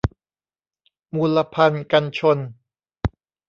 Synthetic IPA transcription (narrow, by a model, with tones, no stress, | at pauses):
muː˧lːa˧pʰa˧nka˧nt͡ɕʰo˧n